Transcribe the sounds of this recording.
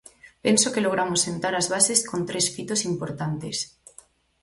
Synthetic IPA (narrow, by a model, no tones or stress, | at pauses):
pe̞nsokeloɣ̞ɾamosːent̪aɾazβasesko̞nt̪ɾe̞sfit̪osimpoɾt̪ant̪es